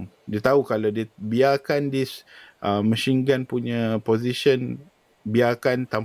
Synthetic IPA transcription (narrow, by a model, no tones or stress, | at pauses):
ŋ | diət̪aɦukalawdiəbiakandisʔəmə̃ʃiŋɡanpuɲãpoziʃən | biakant̪am